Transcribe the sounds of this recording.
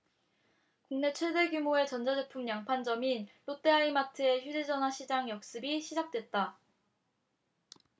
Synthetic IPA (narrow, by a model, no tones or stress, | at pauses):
kuŋne̞t͡ɕʰwe̞de̞ɡjumoe̞t͡ɕʌnd͡ʑadepʰumjaŋpʰand͡ʑʌminɾot͈e̞aimatʰɯe̞çjud͡ʑed͡ʑʌnɦaɕʰid͡ʑaŋjʌk̚s͈ɯbiɕʰid͡ʑak̚t͈we̞t̚t͈a